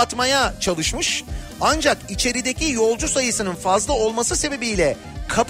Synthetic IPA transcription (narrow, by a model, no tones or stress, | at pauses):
t̪majat͡ʃʰalˠɯʃmɯʃ | and͡ʒakit͡ʃʰe̞ɾid̪e̞cijo̞lˠd͡ʒusajɯsɯnɯnfazlˠao̞lˠmasɯse̞be̞bijlʲɛ | kʰap